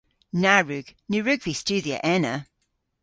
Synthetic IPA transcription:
naɹʉɡ̥nʉɹʉɡvist͡ʃʉðiə̰ʔɛnə

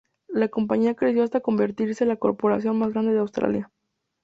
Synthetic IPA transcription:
lako̞mpaɲiakɾe̞sjo̞ast̪ako̞mbe̞ɾt̪iɾse̞eːnlako̞̰ɾpo̞ɾasjo̞nmazɣɾand̪e̞ðeawst̪ɾa̰lja

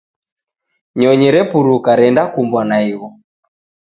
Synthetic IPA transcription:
ɲɔɲɛɾɛpuɾukaɾɛndakumbwanaiɣɔ

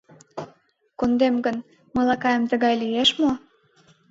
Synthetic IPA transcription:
kund̪emɡən | məlɑkɑjəmt̪ə̆ɣɑjlieʃmo

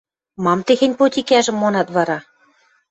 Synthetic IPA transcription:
mɑmt̪exĕnʲpot̪ʲikæʒɘ̆mːonɑt̪βɑɾɑ

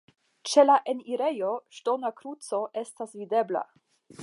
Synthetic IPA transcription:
t͡ʃe̞laʔeniɾe̞joʃto̞nakɾut͡so̞ʔe̞stasvide̞bla̰

